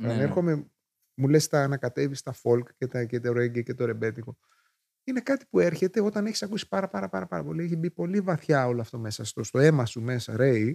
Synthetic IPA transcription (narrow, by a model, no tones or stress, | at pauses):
ɐneɾxo̞me̞ | mule̞st̪ɐːnɐkɐt̪e̞vist̪ɐfo̞lkcet̪ɐcet̪ɐɾoeɟece̞t̪o̞ɾe̞be̞t̪iko̞ | ine̞kɐt̪i̥pue̞ɾçe̞t̪e̞o̞t̪ɐneçi̥sɐkusi̥pɐɾɐpɐɾɐpɐɾɐpɐɾɐpo̞lieçibipo̞livɐθçɐoloɐft̪o̞me̞sɐst̪o̞st̪o̞e̞mɐsume̞sɐ̰ɾe̞j